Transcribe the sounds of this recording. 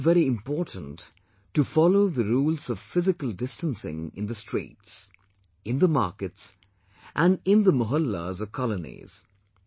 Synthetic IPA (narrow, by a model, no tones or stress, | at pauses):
vɛɾiɪ̃mpɔɹtn̩t | tːɨfɑloʊðəɾuːlˠzʌv̥fɪzɨkəl̩ˠdɪstə̃nsɪ̰̃ŋɪ̰̃nðəstɹ̥ḭːts | ɨ̃nðəmɑ̰ɹkɨts | ʔæ̃nɪ̃nðəmʊɦʌlːə̰zʌvkʰɑlənḭz̥